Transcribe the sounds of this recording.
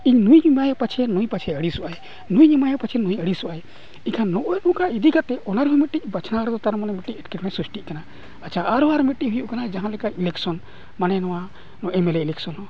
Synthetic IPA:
iɲnujɲimaɦɛpat͡ʃʰɛnujpat͡ʃʰɛəɽisuʔaj | nujɲimaɦɛpat͡ʃʰɛnujəɽisɔʔaj | ikʰanːɔʔɔjɗɔ̃kaid̪ikat̪ɛʔɔnaɾɦumɛʈːic̚ˀbat͡ʃʰnaɾd̪ɔt̪aɾmanɛmɛʈːiɛʈ̚kɛmasɾusʈiʔ̚kana | at͡ʃʰaaɾuaɾmɛʈːiɦujuʔkanad͡ʒaɦãlɛkailɛksɔn | manɛnɔwa | ɛmɛlɛilɛksɔnɦɔ

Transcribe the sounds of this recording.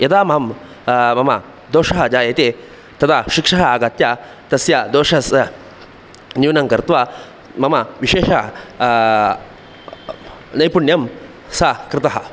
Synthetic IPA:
jɐt̪aːmɐɦɐm | mɐmɐ̰ | d̪oːʂɐɦɐd͡ʒaːjɐt̪eː | t̪ɐt̪ʰaːʃikʂɐɦɐaːɡɐt̪jaː | t̪ɐsjad̪oːʂɐɦɐsɐ | nuːnɐŋkɐɾt̪ʋaː | mɐmɐʋiʃeːʂɐ | nɐjpuɳjɐm | sakɾɪt̪ɐɦɐ

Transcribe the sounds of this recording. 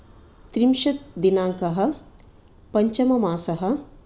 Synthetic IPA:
t̪ɾimʃɐt̪̚d̪inaːŋkɐɦɐ̆ | pɐɲt͡ʃɐmɐmaːsɐɦɐ̆

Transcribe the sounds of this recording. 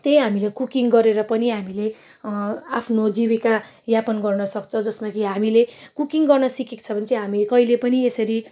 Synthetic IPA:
t̪ej̃ɦamilekukiŋɡʌɾeɾʌpʌniɦamile | apʰnod͡zibika | japʌnɡʌrnʌsʌkt͡sʰʌd͡zʌsmakiɦamilekukiŋɡʌrnʌsikekt͡sʰʌbʌnt͡sʌɦamikʌilepʌniesʌɾi

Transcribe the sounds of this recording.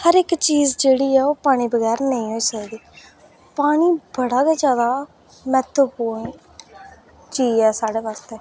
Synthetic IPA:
həɾɪkt͡ʃiːzd͡ʒeːɽiːɛːoːpaːɽ̃ĩːbəɡɛːɾnəĩːɦoːiːsəkd̪iː | paːɽ̃iːbəɽaːkaːd͡ʒjaːd̪aː | mɛ̃ːt̪ʰəpoːi | t͡ʃiːɛːsaːɽeːʋəɾt̪eː

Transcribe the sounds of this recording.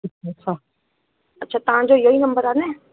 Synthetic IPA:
ɪtɐtt͡ʃʰa | ɐtːʃʰaːt̪ɐɦãd͡ʒojoinɐ̃mbəɾaːnẽː

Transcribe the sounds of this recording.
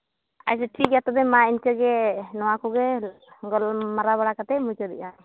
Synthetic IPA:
a̰s̬ɛʈʰikjat̪ɔbɛmainkəɡɛnɔwakɔɡɛ | ɡɔlmaɾaβaɽakat̪ɛmujt͡ʃɔd̪ɛʔa

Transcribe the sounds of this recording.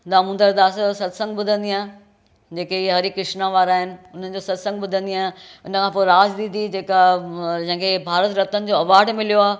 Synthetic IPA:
d̪amʊ̃nd̪əɾd̪aːssɐt̪sə̃ŋɡ̚bʊd̪ʱə̃nd̪iaːɦẽ | d͡ʑeːkeiɦɐɾikɪʃnaʋaːɾaːɦɪnɪ̆ʊn̤ən̆d͡ʑoːsɐt̪sə̃ŋɡ̚ɓʊd̪ʱə̃nd̪iaːɦɪ̃ɪnəkʰãːpoːɾaːd͡ʑd̪ĩːd̪id͡ʑeːkad͡ʑɐ̃ɦɪ̃ŋkʰebʱaːɾət̪ɾɐt̪ənɪ̆d͡ʑoɐʋaːɾɖmɪlijoaːe

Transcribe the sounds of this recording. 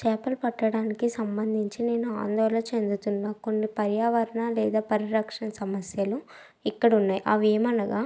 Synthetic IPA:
t͡ʃɛːpɐlpɐʈːɐɽaːnikisɐmbɐnd̪ʱiɲt͡ʃine̞ːnua̰ːnd̪ɔːlɐt͡ʃe̞nd̪ut̪unːako̞nːipɐɾjaːʋɐɾɐɳalɛːd̪aːpɐɾiɾɐkʂɐnɐsɐmɐsjɐlu | ikːɐɽunːaːjʔɐ̰ʋiːmɐnɐɡaː

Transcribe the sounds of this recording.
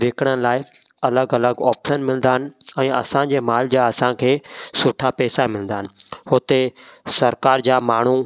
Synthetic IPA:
ʋeːkɽ̃əlaːɪɐləɡɐləɡɔːpʃənmɪlə̃nd̪aːɦənɪ̆ɛ̃ːɐ̰sãd͡ʑeːmaːld͡ʑaɐsãkʰeːsʊʈʰapɛːsamɪlə̃nd̪aːɦə̃̆nɪ̆ɦot̪esɐɾkaːɾd͡ʑaːmaːɳ̤u

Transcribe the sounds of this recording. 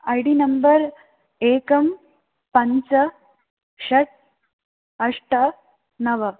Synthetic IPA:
ajɽiːnɐmbəɾ | eːkɐm | pɐɲt͡sɐ | ɕɐʈ̚ | ɐʂʈɐ | nɐʋɐ

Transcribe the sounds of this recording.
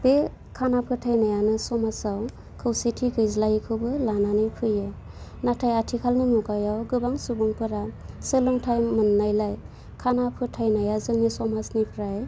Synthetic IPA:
b̥e | kʰanapʰɯtʰajnajanɯsɔmasaw | kʰɯwsetʰiɡɯjzlajkʰɯwbɯlananɯjpʰɯjɯ | natʰajatʰikʰalnɯnuɡajawɡɯbaŋsubɯŋpʰɯɾasɯlɯŋtʰajmɯnːajlaj | kʰanapʰɯtʰajnajazɯŋnisɔmasnipʰɾaj

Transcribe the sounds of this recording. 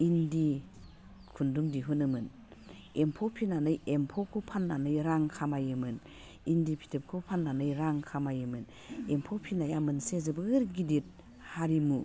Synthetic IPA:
indi | kʰundumdiɦunɯmɯn | empʰɔpʰinanɯjempʰɔkʰupʰanːanɯjɾaŋkʰamajɯmɯn | indipʰi̥tʰep̚kʰopʰanːanɯjɾaŋkʰamajɯmɯn | empʰɔpʰinajamɯnsezɯbɯɾɡidit̚ | haɾimu

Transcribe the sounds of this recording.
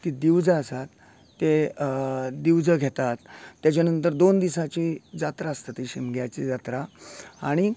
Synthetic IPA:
t̪id̪iwd͡zəəsat̪ː | e | d̪iwd͡zəɡʱet̪at̪ːjat͡ɕanənt̪̬əɾd̪ond̪isat͡ɕid͡zat̪ɾaəst̪at̪iɕimɡʱjat͡ɕid͡zat̪ɾaaɽ̃i

